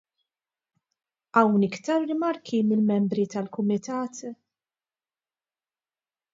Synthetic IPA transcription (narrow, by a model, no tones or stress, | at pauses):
ɐwnɪkt̪ɐɾːɪmɐɾkʰimɪlmɛmbɾit̪ɐlkʊmɪt̪ɐːt̪